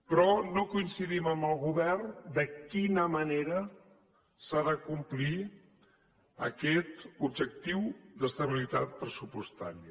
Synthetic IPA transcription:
pɾɔnokuinsiðiməmbəlˠɣuβɛrnd̪əkinəməneɾə | saðəkumpli | ə̰kɛt̪ub̚ʒək̚t̪iwd̪əst̪əβ̞ilit̪at̪̚pɾəsupust̪a̰ɾiə

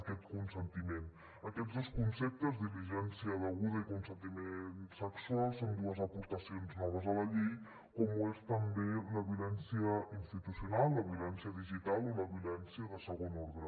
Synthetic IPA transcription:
əkɛt̪kunsənt̪imen | əkɛdd͡zd̪oskunsep̚t̪əzðiliʒɛnsiəðəɣuðəikunsənt̪imensəksualˠsond̪uəzəpuɾt̪əsionznɔβ̞əzələʎej | kɔmuest̪əmbeləβiulɛnsiəinst̪it̪usiunalˠːəβiulɛnsiəðiʒit̪alˠoləβiulɛnsiəðəsəɣonɔɾðɾə

